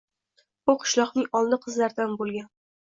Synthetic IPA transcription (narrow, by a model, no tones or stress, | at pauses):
bʊqʰʊ̥ʃlˠɒqnɪŋɒlˠnɪqʰɨzlaɾd̪anbolˠɡʲan